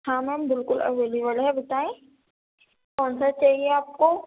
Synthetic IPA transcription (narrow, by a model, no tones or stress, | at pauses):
hãːməmbɪlkʊlɐ̰ʋeːlibəlɦɛbɐt̪aːẽ | kɔːnsat͡ʃaːɦieaːp̚ko